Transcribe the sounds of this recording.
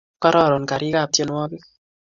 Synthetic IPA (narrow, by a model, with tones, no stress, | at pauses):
ka˦ɾɔ˦˨ɾɔ˨n˨ka˨ɾi˦ka˦˨p̚tje˦nwɔ˦bi˦